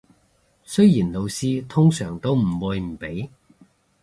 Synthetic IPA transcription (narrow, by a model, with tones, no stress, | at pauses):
sɵ˥ɥjiː˨˩nlo˨˧wsiː˥t̪ʰʊ˥ŋsœː˨˩ŋt̪o˥wm̩˨˩wuː˨˧jm̩˨˩pe˨˥j